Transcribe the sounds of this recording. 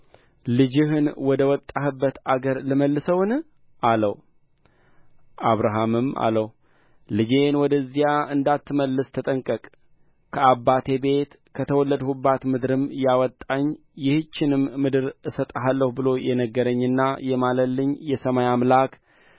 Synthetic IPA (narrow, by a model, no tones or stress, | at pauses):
lɨd͡ʒɪɦɨnwɔd̪əwɔt̪ʼːahɨbːət̪aɡəɾlɨməlːɨsəwn | ʔaləw | ʔaβɾaɦamɨma̰ləw | lɨd͡ʒe̞nwɔd̪əzːijaʔɨnd̪at̪ːɨməlːɨst̪ʰət̪ʼəŋkʼəkʼ | kʰəabːat̪ʰe̞be̞t̪ | kʰət̪ʰəwɔlːəd̪hubat̪mɨd̪ɾɨmjawɔt̪ʼːaɲː | jɪhɨt͡ʃːɪnɨmːɨd̪ɨɾʔɨsət̪ʼaɦalːəhubɨlo̞jʔɛnəɡːəɾəɲːɨnːajɛmaləlːɨɲjɛsəmajamlak